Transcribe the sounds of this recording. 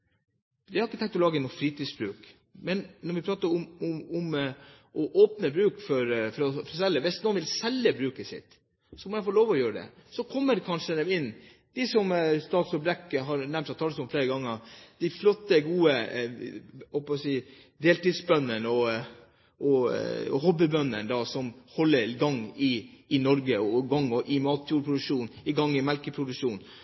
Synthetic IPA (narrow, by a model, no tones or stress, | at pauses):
d̪ɪhɑɾɪkːət̪ɛ̃ŋkt̪ɔlɑːɡəɛnufɾiːt̪iːd̪sbɾʉːk | mɛnnɔɾʋɪpʰɾɑːt̪əɾʊmɔɔm | ʔɔʔoːpnəbɾʉːkfɔɾfɔɾɔfɾɔsɛlːəʋɪst̪noːnʋɪlsɛlːəbɾʉːkəsɪ̰t̪ | sɔmɔjæɪfoːloːʋɔjøːɾəd̪ɛ̰sɔkʰɔmːəɾkʰɑnʂəd̪ɛmɪnː | d̪̥ɪsɔmst̪ɑːt̪sɔbɾɛkːɦɑɾnɛmt̪ɑt̪ʰɑːləsɔmfleːɾəɡɑŋːəd̪̥æɪflɔt̪ːəɡuːə | hɔlpɔsiː | d̪eːlt̪id̪sbœnːənɔ | ʔɔhɔbɪbœnːənd̪ɑːsɔmhɔlːəɾɡɑŋːɪːnɔɾɡəɔɡɑŋːɔʔɪmɑːt̪ʰjuːɾpʰɾʊd̪ʉkʂuːnɪɡɑŋːɪmɛlkəpʰɾʊd̪ʉkʂuːn